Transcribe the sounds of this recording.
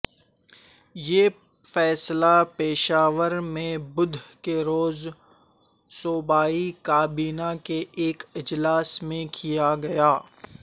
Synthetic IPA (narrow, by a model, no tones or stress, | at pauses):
jeː | fɛːslapeːʃaːʋəɾmẽbʊd̪ʱkeɾoːz | soːbaːikaːbiːnakeʔeːkɪd͡ʒlaːsmẽkʰijaɡɐjaː